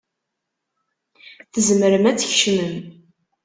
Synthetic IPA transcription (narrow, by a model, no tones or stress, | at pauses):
θəzmɾəmæt͡sːçʃməm